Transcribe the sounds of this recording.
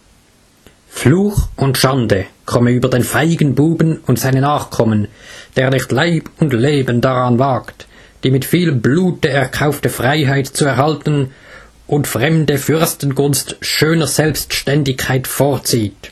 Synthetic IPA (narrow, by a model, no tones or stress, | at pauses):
fluːxʊntʃandəkʰɔmənyːbɐdeːnfaɪɡən̩buːbənʊntz̥aɪnənaːχkʰɔmənd̥eːʁnɪχtlaɪbʊntleːbəndaʁanvaːkt | d̥iːmɪtfiːlbluːtəɛʁkʰaʊftəfʁ̥aɪɦaɪtt͡suɛɐʁhaltn̩ | ʔʊntfʁ̥ɛmdəfʏʁstn̩ɡʊnstʃøːnəʁz̥ɛlpstʃtɛndɪçkʰːaɪtfoːɐt͡siːt